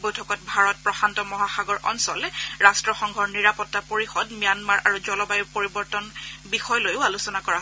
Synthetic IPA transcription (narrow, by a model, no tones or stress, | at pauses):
bojtʰɔkɔt̚bʱaɹɔt̚pɹɔxantɔmɔɦaxaɡɔɹʔɔ̰nsɔlɹastɹɔxɔŋɡʱɔɹniɹapɔtːapoɹixɔdmijanmaɹʔaɹuzɔlɔbajuɹpoɹibɔɹtɔnbixɔjlojʊalusɔnakɔɹa